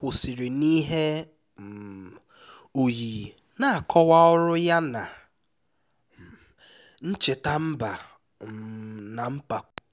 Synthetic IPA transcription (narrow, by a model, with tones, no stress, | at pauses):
kʷʊ˨si˨ɾi˨ni˦ɦe˦˨ | o˨jiː˨ | na˨a˨kʰɔ˦wa˦ʊ˦ɾʊ˦ja˦na˨ | n̩˦t͡ʃe˨ta˦m̩˦ba˨ | na˨m̩˦pa˨